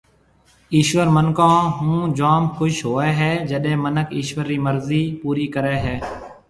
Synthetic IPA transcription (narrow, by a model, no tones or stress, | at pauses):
iːʃʋəɾmənkãːɦũːd͡ʒaːmkʰʊʃɦoːeːɦɛːd͡ʒəɗẽːmənəkiːʃʋəɾːiːməɾziːpuːɾiːkəɾeːɦɛː